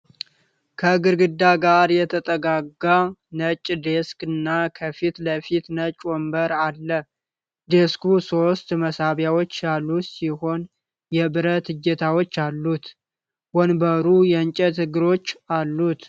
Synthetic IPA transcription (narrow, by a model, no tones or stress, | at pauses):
kʰəɡɨɾɡɨd̪ːaɡaɾjɛt̪ʰət̪ʼəɡaɡanət͡ʃʼːd̪eskɨnːakʰəfit̪ləfit̪nət͡ʃʼwɔmbəɾalːə | d̪eskuso̞st̪məsaβjawo̞t͡ʃːjalːusiho̞n | jɛbɨɾət̪ɨd͡ʒːɛt̪ʰawot͡ʃːalːut̪ | wɔnbəɾujɛnt͡ʃʼɛt̪ɨɡɨɾo̞t͡ʃːalːut̪